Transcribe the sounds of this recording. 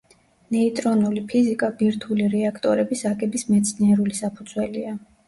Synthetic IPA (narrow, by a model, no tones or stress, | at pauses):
nɛit̪ʼɾɔnulipʰizikʼabiɾt̪ʰuliɾɛakʰt̪ʼɔɾɛbisaɡɛbismɛt̪sʰniɛɾulisapʰud̪zwɛlia